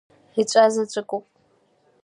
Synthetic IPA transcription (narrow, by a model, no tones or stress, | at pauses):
it͡ʃʷʼaːzɐt͡ɕʷʼɨkʷʼʊpʼ